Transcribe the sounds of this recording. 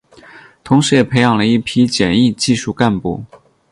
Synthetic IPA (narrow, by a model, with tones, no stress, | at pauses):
t̪ʰʊ˧˥ŋʂɻ̩˧˥jɛ˨˩pʰe˧˥ɪjɑ˨˩ŋlə˦i˥˩pʰi˥t͡ɕjɛ˨˩ni˥˧t͡ɕi˥˧ʂu˥˧ka˥˧npṵ˥˩